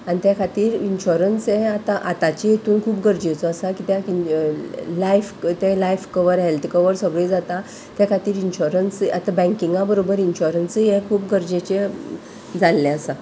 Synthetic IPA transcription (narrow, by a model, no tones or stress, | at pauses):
anit̪jakʰat̪iːɾinɕuɾənseat̪aʔat̪at͡ɕejet̪uːnkʰuːpɡəɾd͡ʑet͡sɔəsakit̪jai | lajft̪ẽlajfkəʋəɾɦelt̪ʰkəʋəɾsəɡɭed͡zat̪a | t̪jakʰat̪iːɾinɕuɾənsa̰t̪abɛ̃ŋkiŋɡabəɾobəɾinɕuɾənsekʰuːpɡəɾd͡ʑet͡ɕe | d͡zalːeəsa